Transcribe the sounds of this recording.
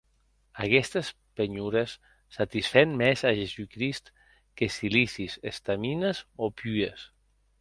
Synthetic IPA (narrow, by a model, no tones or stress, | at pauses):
akɛst̪əs | peɲuɾesː | at̪isfɛnmɛzaʒezukɾist̪ | kesilisisest̪aminəzopyes